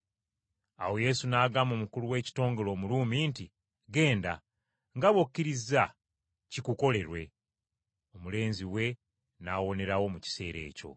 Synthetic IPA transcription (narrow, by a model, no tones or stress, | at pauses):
a̰wo̞je̞sunaːɡamomukuluwe̞ːci̥to̞ːŋɡo̞lo̞ːmuluːminti | ɡe̞ːnda | ŋɡaβokːiɾiza | cikuko̞le̞ɾwe̞̰ | o̞mule̞ːnziwe̞ | naːwo̞ne̞ɾawo̞muci̥se̞̰ːɾe̞̰ːco̞̰